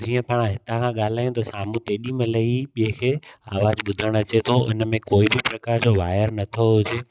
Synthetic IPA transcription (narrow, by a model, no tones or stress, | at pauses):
d͡ʑiːə̃paːɽ̃ãɦɪt̪ãkʰãɠaːl̤aːijũt̪ɐsaːm̤ũt̪eːɗĩmɐ̃lɐiɓiẽkʰeːaːʋaːd͡ʑɓʊd̪ʱəɽ̃ɐt͡ɕet̪ʰoʊ̰nmẽkoːibɪpɾɐkaːɾd͡ʑoʋaːɪəɾnɐt̪ʰoɦʊd͡ʑe